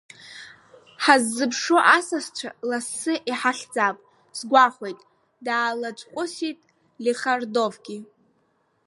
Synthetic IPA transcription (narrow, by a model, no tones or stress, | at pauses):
ħazːɨpʰʂoʔasast͡ʃʷʰalasːɨʔiħaɬd͡zapʼ | sɡʷaχʷe̞jtʼ | daːlat͡ʃʷʼqʷʼʊsitʼ | liχardovɡʲi